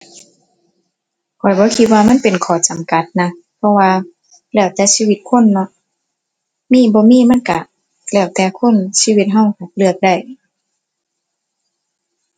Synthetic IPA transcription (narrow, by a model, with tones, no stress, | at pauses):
kʰɔː˨˩jbɔː˧˦kʰi˧t̪̚waː˧ma˧˥˨npe˨nkʰɔː˨˩t͡ɕa˨mka˧˦t̪̚na˧ | pʰɔ˧waː˧ | lɛː˧˩wt̪ɛː˧˦siː˧˨wi˧˦t̪̚kʰo˧˥˨nːɔ˧˦ | miː˧˥˨bɔː˧˦miː˧˥˨ma˧˥˨nka˧˩ | lɛː˧˩wt̪ɛː˧kʰo˧˥˨nsiː˧˨wi˧t̪̚ɦa˧˩˨wha˨˧˩p̚lɯ˧ət̪̚da˧˩˨j